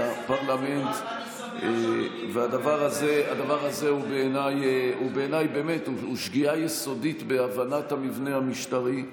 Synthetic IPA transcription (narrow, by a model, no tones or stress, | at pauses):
apaʁlame̞nt̪ | e | vead̪avaʁazead̪avaʁaze̞ubeːnajubeːnajbe̞ːmetuuʃɡiajeso̞dit̪be̞avanathamivnehamiʃtaʁi